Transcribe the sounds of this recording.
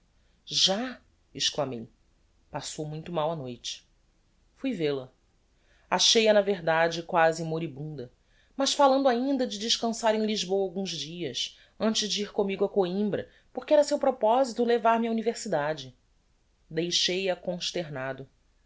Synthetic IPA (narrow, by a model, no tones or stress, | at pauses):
ʒa | ɪʃklamḛj | pasowmũj̃t̪ʊmawɐnojt͡ʃɪ̥ | fujvelɐ | aʃejɐnɐveɦd̪ad͡ʒɪkwazɪ̃moɾibũnd̪ɐ | mɐʃfalɐ̃nd̪ʊaĩnd̪ɐd͡ʒɪd͡ʒɪʃkɐ̃saɾẽj̃liʒbowɐawɡũzd͡ʒiɐs | ɐ̃nt͡ʃɪʒd͡ʒiiɾkõmiɡʊɐkoĩmbɾɐ̰ | poχkɪɛɾɐsewpɾopɔzit̪ʊlevaɾmɪɐuniveχsid̪ad͡ʒɪ | d̪ejʃejɐkõʃt̪eɾnad̪ʊ